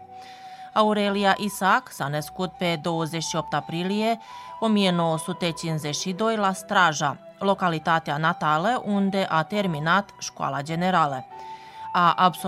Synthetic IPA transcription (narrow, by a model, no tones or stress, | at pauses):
auɾe̞liaʔisaksanəskut̪̚pe̞d̪o̞wəzeʃio̞p̚t̪apɾilije̞o̞mije̞no̞wosut̪e̞t͡ʃinzeʃid̪o̞jlast̪ɾaʒa | lo̞kalit̪at̪eanat̪aləʔund̪e̞ʔat̪e̞rminat̪ʃkwa̰lad͡ʒe̞ne̞ɾalə | aʔabs